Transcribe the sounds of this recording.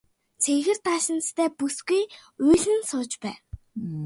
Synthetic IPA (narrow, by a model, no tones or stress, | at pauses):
t͡sʰexɘ̆rt̪aːʃɪ̆nt͡st̪ʰæːpusɡujuːɮɘ̆nsʊːt͡ɕpæː